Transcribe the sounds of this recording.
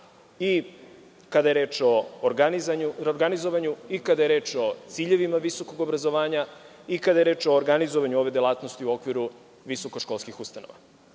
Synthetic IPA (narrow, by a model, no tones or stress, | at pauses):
i | kad̪aje̞ɾe̞ːt͡ʃo̞ːɾɡanizaɲuoɾɡanizo̞ʋaɲuikad̪aje̞ɾe̞ːt͡ʃo̞t̪siʎe̞ʋimaʋiso̞ko̞ɡobɾazo̞ʋaːɲa | ikad̪ajeɾe̞ːt͡ʃo̞ːɾɡanizoʋaɲuo̞ʋe̞d̪jelˠaːt̪nost̪iuo̞kʋiɾu | ʋiso̞koʃkolˠskixust̪ano̰ʋa̰